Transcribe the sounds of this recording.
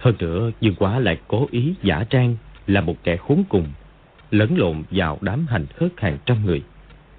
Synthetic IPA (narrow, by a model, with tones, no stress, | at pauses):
həː˧nɨ̰˧˥əɲɨ˨˩ŋkwaː˨˦la̰ː˧˨jko˨˦ʔi˨˦za̰ː˧˩t͡ɕaː˧ŋlaː˨˩mo˨˩t̚kɛ˧˩xu˨˦nkʊ˨˩ŋ͡m | ləː˨˦nlo̰˧˨nvaː˨˩wɗaː˨˦mɦa˨˩jŋ̟xəː˦˥t̚haː˨˩ŋt͡ɕa˧mŋɨ˨˩əj